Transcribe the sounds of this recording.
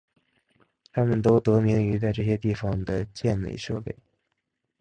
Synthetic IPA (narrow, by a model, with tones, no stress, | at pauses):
t̪ʰa˥mə˨nt̪o˥ʊt̪ɤ˧˥mi˧˥ŋy˧˥t͡sa˥˧ɪʈ͡ʂɤ˥˩ɕ̬jɛ˥t̪i˥˩fɑ˩ŋd̪ə˧˩t͡ɕjɛ˥˩nlḛ˨˩ɪʂɤ˥˧pe˥˩ɪ